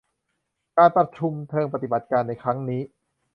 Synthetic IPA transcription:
kaː˧npɾa˧t̪̚t͡ɕʰu˧mt̪ʰɤː˧ŋpa˧t̪i˨˩ba˨˩t̪̚kaː˧nːa˧jkʰɾa˦˥ŋniː˦˥

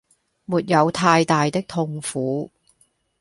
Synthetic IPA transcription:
muː˨t̚jɐ˨˧wt̪ʰaː˧jt̪aː˨jt̪ɪ˥k̚t̪ʰʊ˧ŋfuː˨˥

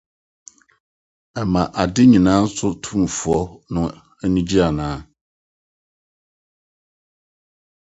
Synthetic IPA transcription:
ɛ˨mã˨ʔa˨dɪ˦ɲĩ˨nãː˦n̩˦sʊ˦tʰũ˦m˨fʊ˨ɔ˦nʊ̃˦ | ɛ˦nĩ˦d͡ʑi˦a˨nãː˨˦

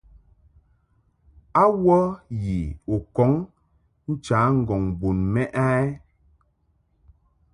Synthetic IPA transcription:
a˦wɔ˦ji˨o˨kɔ˨˦ŋ | n̩˦t͡ʃaː˨˦ŋ̩˦˨ɡɔ˨ŋbo˨nmɛ˦ʔa˦ɛ˦

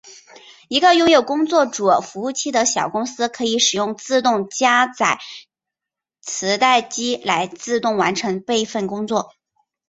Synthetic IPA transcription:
i˧˥ɡə˧jʊ˥˧ŋjo˨˩ʊkʊ˥ŋt͡swɔ˥˩ʈ͡ʂu˨˩fu˧˥u˥˩t͡ɕʰi˥d̪ə˨ɕjɑ˨˩ʊkʊ˥ŋsɹ̩˥kʰɤ˧˥i˧˥ʂɻ̩˨˩jʊ˥˧ŋt͡sɹ̩˥˧t̪ʊ˥˧ŋt͡ɕja˥t͡sa˨˩ɪ | t͡sʰɹ̩˧˥t̪a˥˩ɪt͡ɕi˥la˧˥ɪt͡sɹ̩˥˧t̪ʊ˥˩ŋwa˧˥nʈ͡ʂʰɤ˧˥ŋpe˥˧ɪfə˥˩nkʊ˥ŋt͡swɔ˥˩

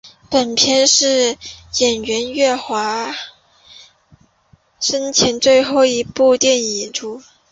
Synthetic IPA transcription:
pə˨˩npʰjɛ˥˧nʂɻ̩˥˩jɛ˨˩nɥɛ˧˥nɥɛ˥˩xwa˧˥ | ʂə˥nt͡ɕʰɛ˧˥nt͡swe˥˧ɪxo˥˩ʊi˧˥pu˥˧t̪jɛ˥˩ni˨˩nʈ͡ʂʰu˥

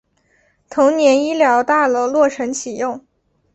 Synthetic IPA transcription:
t̪ʰʊ˧˥ŋnjɛ˧˥ni˥ljɑ˧˥ʊt̪a˥˩lə˨˩lwɔ˥˩ʈ͡ʂʰə˧˥ŋt͡ɕʰi˨˩jʊ˥˩ŋ

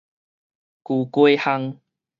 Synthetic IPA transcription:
ku˨˩kwe˦ha˦˧ŋ

